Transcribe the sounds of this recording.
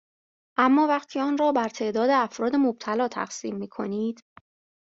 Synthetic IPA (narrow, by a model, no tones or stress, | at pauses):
ʔæmːɒːvæχt̪ʰiːɒːnrɒːbæɾt̪ʰe̞ʔd̪ɒːd̪eæfɾɒːd̪e̞mob̚t̪ʰælɒːt̪ʰæ̰χsḭːmːiːkʰo̞̰niːd̪̥